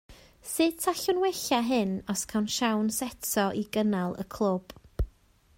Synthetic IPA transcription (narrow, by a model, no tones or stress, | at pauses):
sɨːd̥̚tʰaɬʊnwɛɬaɦɨnɔskʰawnʃawnsɛtʰɔʔiɡənalˠə̰kʰlˠʊb̥